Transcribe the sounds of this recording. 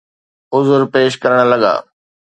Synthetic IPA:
ʊzʊɾpeːʃkɐɾəɽ̃lɐɠa̰ː

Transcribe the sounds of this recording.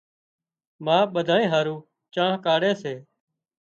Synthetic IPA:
mãːɓəd̪ʱaːẽːɦaːɾũː | t͡ʃãːɦkaːɽeːseː

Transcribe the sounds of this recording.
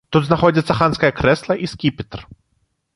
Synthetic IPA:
t̪ud̪znɐxɔd͡zʲɐt̪sːɐxanskɐjɐkɾɛslˠɐʔiskʲipʲit̪r

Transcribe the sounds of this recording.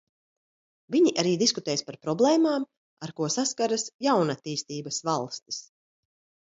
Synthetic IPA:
viɲiʔaɾiːd̪iskut̪ɛːjspaɾpɾɔblˠɛːmaːm | aɾkuɔsaskaɾasjawnat̪ːiːst̪iːbasvalˠst̪i̥s

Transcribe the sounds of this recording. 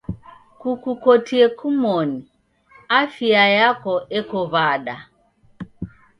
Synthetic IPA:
kukukotiɛkumɔni | afiajakɔʔɛkɔβaɗa

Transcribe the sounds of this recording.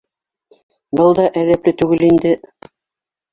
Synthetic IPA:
bɤlˠd̪ɑʔæðæplɘt̪ʉɡɘlind̪ɘ

